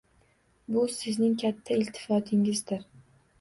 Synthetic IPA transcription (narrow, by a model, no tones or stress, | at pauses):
bʊsɪznɪŋkʲʰat̪ʰːaɪlt̪ʰːɪ̥fɒt̪ʰɪŋɪzd̪ɪɾ